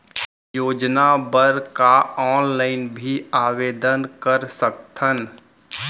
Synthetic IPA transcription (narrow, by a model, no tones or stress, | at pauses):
joːd͡ʒnabəɾkaɔːnlaːɪnbʱiaːʋeːd̪ənkəɾsəkt̪ʰən